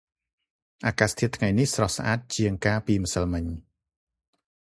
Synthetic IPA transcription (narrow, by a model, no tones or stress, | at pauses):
ʔaːkaːst̪ʰiət̪ːʰŋajnihsrɑhsaʔaːt̪̚t͡ɕiəŋkaːpiːməsəlmɨɲ